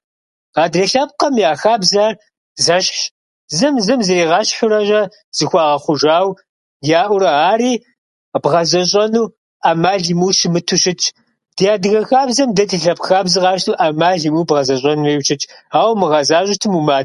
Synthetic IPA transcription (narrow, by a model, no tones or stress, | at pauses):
ɑːdrɐɬɐp̚qɐmjaːxaːbzar | zɐʃɕ | zɨmzɨmzɨɾeːʁɑːɕħʊɾɐʒɐ | z̥ɨxʷɑːʁɐχʷʊʒaːw | jaːʔʷʊɾɐaːriː | b̥ʁɐzʼɐɕʼɐnuː | ʔaːmaːɮimuːʃmɨtʰʊɕʼɪt͡ʃʰʼ | d̥ijaːdɨɣɐxaːbzɐmdɐtʰɨɬɐpxaːbzɨʁɑːʃtʰuːʔamaːɮimuːbʁɐzɐɕʼɐnuːeːwt͡ʃʰʼɐt͡ʃʼaːwmɨʁɐzaːɕʷʼɪtʰɨmumaː